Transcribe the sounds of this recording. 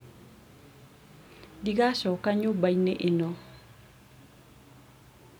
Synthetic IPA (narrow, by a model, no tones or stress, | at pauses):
diɡaʃɔkaɲʊbajnɪʔɪnɔ